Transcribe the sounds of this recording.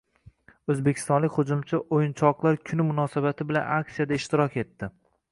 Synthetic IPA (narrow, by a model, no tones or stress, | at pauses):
ɵzbekʲʰɪ̥st̪ɒnlɪkʲhʊd͡ʒʊmt͡ʃʰaʔojɪnt͡ʃʰɒqlˠaɾkʲʰʊnɪmʊnɒsabat̪ʰɪbɪla̰nak̚sijad̪aɪʃt̪ɪɾɒkʲʰe̞t̪ːɪ